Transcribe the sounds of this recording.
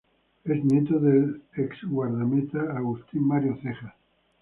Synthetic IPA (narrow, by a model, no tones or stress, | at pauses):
eznjet̪oðeleksɣwaɾðamet̪aːɣust̪inmːaɾjoθexa